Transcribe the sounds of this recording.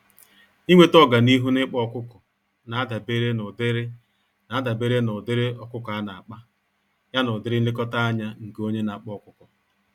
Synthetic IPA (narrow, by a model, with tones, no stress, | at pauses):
i˦ŋʷe˦tɔ˦ɡa˨ni˦ɦu˦nɪ˦k͡pɔ˦˨kʊ˦kɔ˨ | na˨a˦da˨be˦ɾe˦nʊ˨dɪ˦ɾɪ˦ | na˨a˦da˨be˦ɾe˦nʊ˨dɪ˦ɾɪ˦ɔ˨kʊ˦kɔ˨a˦na˨a˨k͡pa˦ | ja˦nʊ˨dɪ˦ɾɪ˦n̩˦ɪ˦kɔ˦ta˦a˦ɲa˦ŋ̩˨ko˦ɲe˦na˨k͡pɔ˦˨kʷʊ˦kɔ˨